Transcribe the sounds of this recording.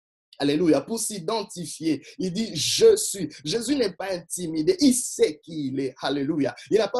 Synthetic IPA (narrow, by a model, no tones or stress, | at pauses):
alelujapuʁsid̪ɑ̃t̪ifjeild̪iʒəsɥiʒezynɛpaɛ̃t̪imid̪eʔisɛkilɛhalelujailnapa